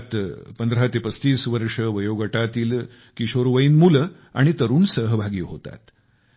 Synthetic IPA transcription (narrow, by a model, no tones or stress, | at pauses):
t̪pənd̪ɾat̪epəst̪iːsʋəɾʂəʋəjoɡəʈat̪iːl | kiɕoɾʋəiːnmul | a̰ɽ̃it̪əɾuːnsəɦəbʱaɡiːɦot̪a̰t̪